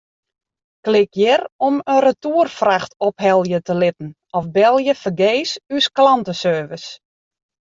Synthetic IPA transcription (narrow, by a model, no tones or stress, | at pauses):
klɪkjɪrɔmərətuərfraxtɔpɦɛlˠjətəlɪtn̩ | ɔfbɛlˠjəfərɡeːsysklɑntəsøːvəs